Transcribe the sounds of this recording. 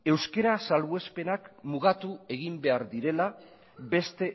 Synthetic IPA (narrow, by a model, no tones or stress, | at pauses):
e̞wske̞ɾasalβue̞spe̞nakmuɣ̞at̪ue̞ɣ̞imbe̞aɾd̪iɾe̞la | be̞st̪e̞